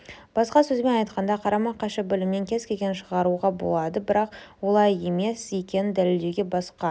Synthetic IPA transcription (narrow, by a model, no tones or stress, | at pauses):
b̥ɑsqɑsɵzbe̞nɑjt̪̚qɑnd̪ɑqʰɑɾɑmɑqːɑʃəbɪlɪmne̞ŋkʲʰe̞z̥kʲe̞kʲe̞nʃəʁɑɾuʁɑbo̞̰lˠɑd̪əbɪɾɑqwo̞lˠɑje̞me̞sekʲe̞nɪd̪æleld̪eɡʲe̞bɑsqɑ